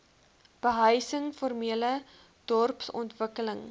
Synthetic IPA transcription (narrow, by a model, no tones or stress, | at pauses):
b̥əɦəjsəŋformiələ | d̥ɔrpsɔ̰ntvəkələŋ